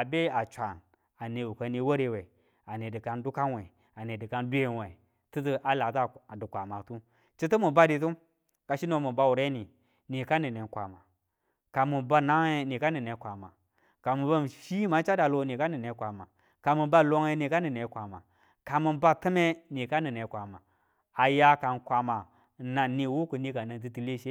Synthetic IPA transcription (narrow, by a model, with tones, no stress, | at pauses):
a˨be˦a˨t͡ʃʷa˨n | a˨ne˨wu˨ka˨ni˨wo˦ɾe˨we˨ | a˨ne˨dɨ˨ka˨˦ndu˦ka˦nwe˨ | a˨ne˨dɨ˨ka˨ndu˦e˦we˨ | tɨ˦tɨ˦ʔa˨la˨tdɨ˨kʷa˨ma˨tu˦ | t͡ʃi˦tɨ˦mu˨ba˦di˨t̬u˦ | ka˨ʃi˦no˨mu˨ba˦wu˨ɾe˦ni˨ | ni˨ka˦ni˨ne˨˦kʷa̰˨ma˨ | ka˨mu˨ba˦na˦ŋe˦ni˨ka˦ni˨ne˨˦kʷa˨ma̰˨ | ka˨mu˨ba˦m˨ʃi˦ma˨˦n˦t͡ʃa˦da˨lo˦ni˨ka˦ni˨ne˨˦kʷa˨ma˨ | ka˨mu˨ba˦lo˦ŋe˦ni˨ka˦nɨ˨ne˨˦kʷa˨ma˨ | ka˨mu˨nba˦tɨ˦me˦ni˨ka˦nə˨ne˨kʷa˨ma˨ | a˨ja˦ka˨nkʷa˨ma˨ | na˨ni˨wu˦ku˨ni˦ka˨nə˨ŋt̬ɨ˦ti˦le˦ʃe˦